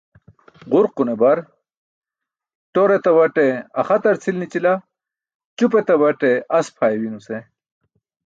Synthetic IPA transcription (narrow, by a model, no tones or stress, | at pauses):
ʁuɾqunebɐɾ | ʈoɾet̪ɐwɐʈeɐ̰χɐt̪ɐɾt͡sʰilnit͡ɕila | t͡ɕupet̪ɐbɐʈeɐspʰaːjwinuse